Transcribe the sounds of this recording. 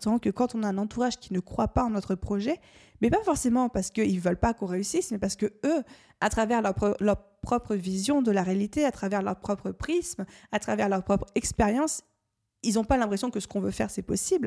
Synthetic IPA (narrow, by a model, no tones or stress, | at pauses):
t̪ɑ̃kəkɑ̃t̪ɔ̃naɛ̃nɑ̃t̪uʁaʒkʲinəkχwapaɑ̃nɔt̪χəpχɔʒɛ | mɛpafɔʁsemɑ̃paʁsə̥kəilvœlpakɔ̃ʁeysismɛpaʁsə̥kəø | at̪χavɛʁlœʁplœʁpχɔpχəvizjɔ̃d̪əlaʁealit̪eat̪χavɛʁlœʁpχɔpχəpχismat̪χavɛʁlœʁpχɔpχɛkspeʁjɑ̃s | ilzɔ̃palɛ̃pχesjɔ̃kəsə̥kɔ̃vøfɛ̰ʁsɛpɔsibl